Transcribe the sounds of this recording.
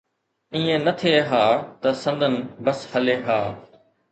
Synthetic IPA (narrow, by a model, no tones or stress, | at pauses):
ĩːẽnət̪ʰeːɦaːt̪ɐsɐ̃nd̪ʱənɪbəshɐleːɦaː